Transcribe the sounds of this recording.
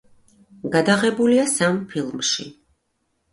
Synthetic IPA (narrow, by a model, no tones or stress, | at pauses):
ɡad̪aʁɛbuliasampʰilˠmʃḭ